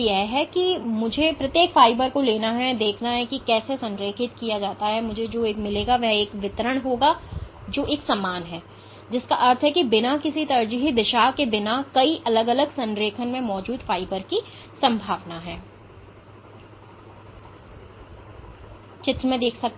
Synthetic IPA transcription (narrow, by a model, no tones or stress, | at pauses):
ɛɦɦɛkimʊd͡ʒʱepɾɐt̪jeːkfaːɪbəɾkoleːnaɦɛd̪eːkʰnaɦɛkikɛːsesɐ̃nɾeːkʰɪt̪kijad͡ʒaːt̪aɦɛmʊd͡ʒʱed͡ʒoːeːkmɪleːɡaʋɛɦeːkʋɪt̪ɾəɽ̃ɦoːɡad͡ʒoːʔeːksamaːnɦɛː | d͡ʒɪskaʔɐɾt̪ʰɦɛkibɪnakɪsit̪ɐɾd͡ʒəɦid̪ɪʃaːɦkebɪnakɐiʔɐləɡələɡsɐ̃nɾeːkʰənmẽmɔːd͡ʒuːd̪faːɪbəɾki | sɐ̃mbʱaːʋnaɦɛː | t͡ʃɪt̪ɾəmẽd̪eːkʰsɐk̚t̪